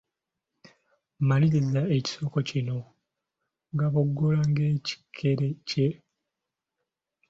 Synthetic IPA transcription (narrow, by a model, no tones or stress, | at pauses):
maliɾizaeci̥so̞kocino̞ | ŋɡaβoɡːolaŋɡe̞ːci̥kʰːe̞ɾe̞ce̞